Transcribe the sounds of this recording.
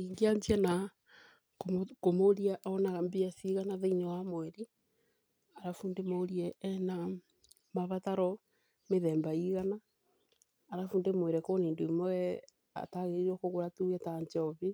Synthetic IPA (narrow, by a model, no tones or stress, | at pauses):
iŋɡeaɲtiɛna | kokomoɾiaʔaɔnaɣambiasiɣanaðeiɲawamwɛɾi | aɾafuːndemoɾiɛːna | maβataɾɔ | meðɛːmbaiɣanaː | ɾafuːndemwɛɾɛkoniːndoimɔɛ | a̰taɣeɾiɾɔkoɣoɾatuɛtaɲt͡ʃɔβi